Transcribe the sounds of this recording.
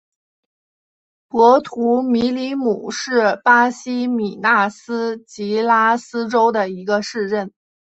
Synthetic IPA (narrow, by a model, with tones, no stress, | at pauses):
pwɔ˧˥t̪ʰu˧˥mi˧˥li˧˥mu˨˩ʂɻ̩˥˩pa˥ɕi˥mi˨˩na˥˩sɹ̩˥t͡ɕi˧˥la˥sɹ̩˥ʈ͡ʂo˥ʊd̪ə˨i˧˥ɡə˧ʂɻ̩˥˧ʈ͡ʂə˥˩n